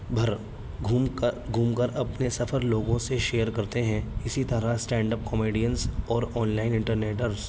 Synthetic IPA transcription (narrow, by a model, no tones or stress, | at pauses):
bʱɐɾʱ | ɡʱuːmkəɾɐpnesɐfʰəɾloːɡõseʃeːjəɾkɐɾt̪eɦɛ̃ɪsit̪ɐɾasʈɛ̃ːɳɖəp̚kɔmeːɖijənsɔːɾɔːnlaɪnɪ̃ɳʈəɾneːʈəɾz